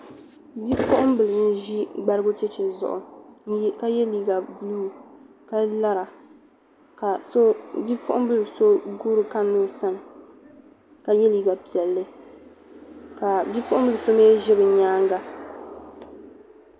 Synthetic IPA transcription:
bi˦pʊ˦ʔʊ˦mbɨ˨lɨ˨n̩˦ʒi˦ɡ͡ba˦ɾɨ˦ɡʊ˦t͡ʃɛ˦t͡ʃɪ˨zʊ̰˨ʔʊ̰˨˦ | ka˦jɛ˦liː˦ɡa˨bluː˦ | ka˦la˦ɾa˨ | ka˨˦bi˦pʊ˦ʔʊ˦bɨ˦lɨ˨so˦ɡu˦ɾɨ˨ka˦mːo˦˨sa˦nɨ˨ | ka˨jɛ˦liː˨ɡa˨pi˨ɛ˨lːɨ˦ | ka˨bi˦pʊ˦ʔʊ˦m˦bɨ˦lɨ˨so˦meː˦ʒɪ˦bɨ˨ɲaː˦ŋɡa˦

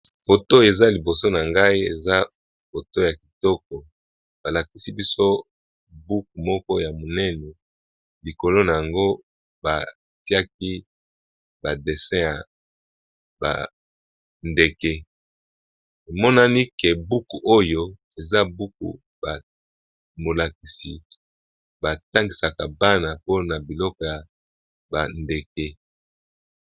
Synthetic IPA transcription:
fo˨to˦e˨za˦li˨bo˨so˦na˨ŋɡa˦i˦ḛ˨za˦ | fo˨to˦ja˨ki̥˨tɔ˦k̚ɔ˨ | b̥a˨la˨ki˦si˦bi˦so˦ | bu˦ku˨mɔ˦kɔ˦ja˨mo˨nɛ˦nɛ˨ | li˨ko˨lo˦na˨ja˨ŋɡo˦ | ba̰˨ | ti˦a˦k̚i˦ | ba˨de˨sɛ̃˦ja˨ | ba̰˨ | nde˨ke˦ | e˨mɔ˦na˦ni˦ke˨bu˦ku˨ʔo˦jo˦e˨za˦bu˦k̚ṵ˨ | ba˨ | mo˨la˨ki˨si˨ | ba˨ta˦ŋɡi˨sa˨ka˨ba˦na˨po˦na˨bi˨lɔ˦kɔ˨ja˨ | ba˨nde˨ke˦

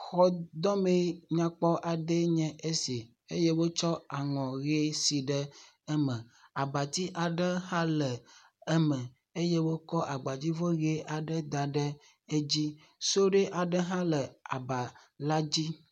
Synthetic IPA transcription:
xɔ˦d̪ɔ˦me˦ɲã˨k͡pɔ˦ʔa˨ɖe˦ɲɛ̃˦ʔe˦si˨ | e˦je˦wo˦t͡ʃɔ˦a˨ŋɔ̃˨ɣe˦si˨ɖɛ˦ | ɛ˦mɛ̃˨a˨ba˨t̪i˦ʔa˨ɖɛ˦hã˦lɛ˨ | ɛ˦mɛ̃˨ | e˦je˦wo˦kɔ˦ʔa˨ɡ͡ba˨d͡ʑi˦vo˦ɣe˦ʔa˨ɖɛ˦d̪a˨ɖɛ˦ | e˦d͡ʑi˦ | so˦ɖɛ˦ʔa˨ɖɛ˦ɦã˦lɛ˨a˨ba˨la˦d͡ʑi˦

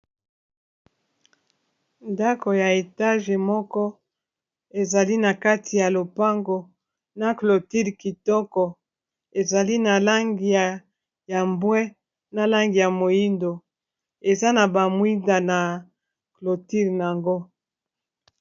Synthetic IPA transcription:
nda˦ko˨ja˨e˨ta˦ʒe˨mɔ˦kɔ˦ | e˨za˨li˦na˨ka˦tʰi˨ja˨lo˨pa˦ŋɡo˨ | na˦˨klo˨ti˦lki˨tɔ˦kɔ˨ | e˨za˨li˦na˨la˦ŋɡi˨a˨ | ja˨mbwɛ˦ | na˦la˦ŋɡi˨ja˨mo˨ji˦ndo˨ | e˨za˦na˨ba˨mwi˦nda˨na˨ | klo˨ti˦ln˨a˨ŋɡo˦

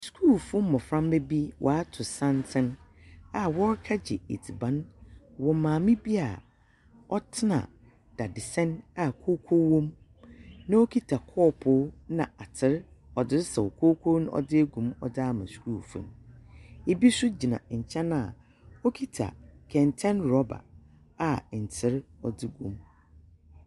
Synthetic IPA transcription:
skʰu˦˨lfũ˦m˦mɔ̃˨fɾã˦mbe˦bi˦wʔɔ̰˨a˦tʰʊ˨sã˦ntʰɪ̃˦na˨wɔ˦ɾkʰa˦d͡ʑɪ̰˨ḛ˨tʰi˨bã˨˦nwɔ˨mãː˨mɪ̃˦bi˦a˨ | ɔ˦tʰɪ˦nã̰˨ | d̥a˨dɪ˨sɛ̃˦na˨kʰoː˦kʰo˦wɔ̃˦m | nã˦o˦kʰi˦tʰa˨kʰɔː˦˨pʰʊ˦nã̰˨a˨tʰɪ˦ɾɔ˨dɪ˦ɾɪ˦sɛ˨wo˨kʰo˦kʰo˦nʊ̃˦ʔɔ̰˦dɪ˦ɛ˦ɡũ˨mɔ̰˨daː˦mã˨su̥˨ɾu˦˨fṵ̃˨m˨ | e˦˨bi˦sʊ˦d͡ʑi˨nã̰˨ɲ̩˨t͡ɕʰɛ̃˦na˨ | o˦kʰi˦tʰa̰˨kʰɛ̃˨ntʰɛ̃˦nɾɔ˦ba̰˨ | a˨n̩˨tʰɪ˦ɾɔ˨dɪ˦ɡṵ̃˨m

